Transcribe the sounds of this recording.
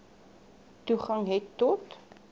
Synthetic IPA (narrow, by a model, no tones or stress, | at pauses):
tuχɐŋɦɛtːɔt